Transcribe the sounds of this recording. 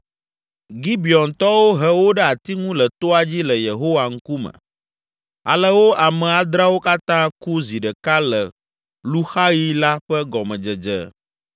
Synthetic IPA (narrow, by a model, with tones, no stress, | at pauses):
ɡi˦bi˨ɔ˨nt̪ɔ˦wo˦ɦə˦wo˦ɖɛ˦a˨t̪i˦ŋũ˦lə˨t̪o˦a˨d͡ʑi˦lə˨je˨ɦo˦wa˨ŋ̩˦ku˦mə̰̃˨ | a̰˨lə˦wo˦ʔa˨mɛ̃˨a˨d̪ɾa˦wo˦ka˦t̪ã˦ku˦zi˨ɖə˨ka˦lə˨ | lu˦xa˦ji˦la˦ɸə˦ɡɔ˨mɛ̃˨d͡ʒə˨d͡ʒə̰˨